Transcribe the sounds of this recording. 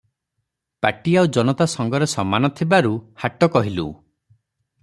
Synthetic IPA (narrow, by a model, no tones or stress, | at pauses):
paʈiaud͡ʒɔnɔt̪asɔŋɡɔɾesɔmanɔt̪ʰibaɾuhaʈɔkɔɦilṵ